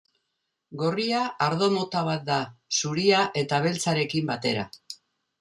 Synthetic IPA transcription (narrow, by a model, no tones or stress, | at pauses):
ɡo̞riaaɾðo̞mo̞t̪aβ̞at̪̚d̪asuɾiaʔe̞t̪aβ̞e̞lt͡saɾe̞kimbat̪e̞ɾa̰